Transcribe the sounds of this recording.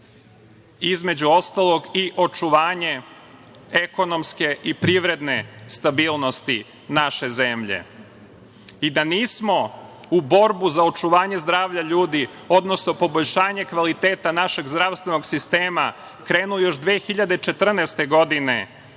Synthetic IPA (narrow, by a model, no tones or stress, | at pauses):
izme̞d͡ʑuo̞st̪alo̞ɡiʔo̞t͡ʂuʋaːɲe | eko̞nomske̞ʔipɾiʋɾe̞d̪ne̞st̪abiːlˠnost̪i | naʃe̞zemʎḛ | id̪aniːsmo̞ | ubo̞ɾbuzao̞t͡ʂuʋaːɲe̞zd̪ɾaːʋʎaʎuːd̪i | o̞d̪nosnopo̞bo̞ʎʃaːɲe̞kʋalit̪eːt̪anaʃe̞ɡzd̪ɾaʋst̪ʋenoɡsist̪eːma | kɾeːnujo̞ʃd̪ʋeːxiʎad̪et͡ʃe̞t̪r̩nest̪e̞ɡo̞d̪ine̞